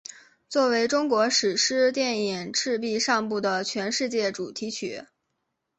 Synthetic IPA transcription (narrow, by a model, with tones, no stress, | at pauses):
t͡swɔ˥˩we˧˥ɪʈ͡ʂʊ˥ŋkwɔ˧˥ʂɻ̩˨˩ʂɻ̩˥t̪jɛ˥˩ni˨˩ŋʈ͡ʂʰɻ̩˥˧p̬i˥˧ʂɑ˥˧ŋpu˥˩d̪ə˩t͡ɕʰɥɛ˧˥nʂɻ̩˥˧t͡ɕjɛ˥˩ʈ͡ʂu˨˩t̪ʰi˧˥t͡ɕʰy̰˧˥